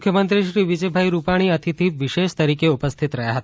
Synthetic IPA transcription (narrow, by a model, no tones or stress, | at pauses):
mukʰjəmənt̪ɾiʃɾiʋid͡ʒəjbʱaiɾupaɽ̃iət̪ʰit̪ʰiʋiʃeʃt̪əɾikeupəst̪ʰit̪ɾəjaɦət̪a